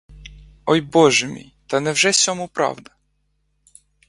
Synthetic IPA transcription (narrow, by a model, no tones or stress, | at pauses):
ɔjbɔʒɛmʲḭjt̪ɐnɛwʒɛsʲɔmupɾɑ̰wd̪ɐ